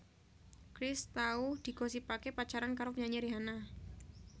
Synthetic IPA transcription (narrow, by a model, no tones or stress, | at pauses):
kɾɪst̪auhd̪̥i̤kosipakepat͡ʃaɾankaɾopəɲaɲeɾiɦana